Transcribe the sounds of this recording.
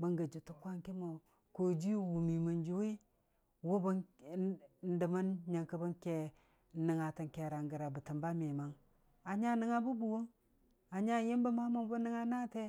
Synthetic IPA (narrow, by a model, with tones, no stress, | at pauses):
bə˦ŋɡə˨d͡ʒu˨tu˦kʷa˦ŋki˦mo˨ | ko˨d͡ʒi˦wu˨mi˨mə˨nd͡ʒu˨˦wi˦ | wu˦bə˦ | n˦də˨ma˦nɲa˨ŋkə˦bə˦ŋke˦ | nə˨ŋa˨ti˨ŋke˨ɾa˨ŋɡə˨ɾa˨bə˨tə˨mba˦mi˨ma˦ŋ | a˨ɲa˦nə˦ŋa˦bu˦bu˨wo˦ŋ | a˨ɲa˦ji˦mbə˦ma˦mo˦bu˦nə˦ŋa˦na˦te˦